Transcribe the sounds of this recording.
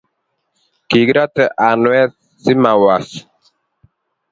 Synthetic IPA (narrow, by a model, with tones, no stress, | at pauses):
ki˨ɡɾa˦tɛ˨ʔa˨nwɛ˦ | si˦ma˨wa˨s